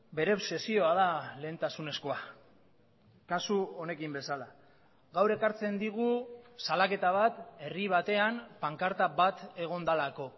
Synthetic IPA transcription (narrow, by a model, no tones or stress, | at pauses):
be̞ɾe̞se̞sio̞að̞ale̞ːnt̪asune̞sko̞a | kasuo̞ne̞kimbe̞sala | ɣawɾe̞kaɾt͡se̞nd̪iɣ̞usalake̞t̪aβ̞at̪e̞riβ̞at̪e̞ampaŋkaɾt̪aβat̪e̞ɣ̞o̞nd̪alako̞